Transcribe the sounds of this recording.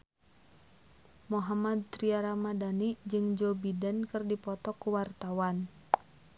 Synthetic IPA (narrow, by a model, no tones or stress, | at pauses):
moɦamad̪̚t̪ɾiaɾamadanid͡ʒɨŋd͡ʒɔbidənkɨrdipɔt̪ɔkuwart̪awan